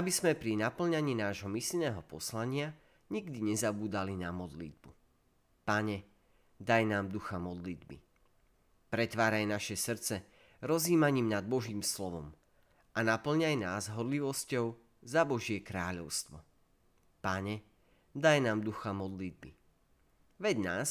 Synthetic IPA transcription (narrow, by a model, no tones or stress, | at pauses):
abizmɛpɾinapl̩ɲaɲiːnaːʒɦɔmisʎnɛːɦɔpɔslaɲɪa | ɲiɡd̪iɲɛzabuːd̪alinamɔd̪lḭd̪̚bu | paɲɛ | d̪ajnaːmd̪uxamɔd̪lid̪bḭ | pɾɛt̪ʋaːɾajnaʃɛsr̩t͡sɛ | ɾɔziːmaɲiːmnad̪̚bɔʒiːmslɔʋɔ̰m | ʔanapl̩ɲajnaːzɦɔɾliʋɔscɔʊ | zabɔʒɪɛkɾaːʎɔʊst̪ʋɔ | paɲɛ | d̪ajnaːmd̪uxamɔd̪lid̪̚bḭ | ʋɛɟnaːs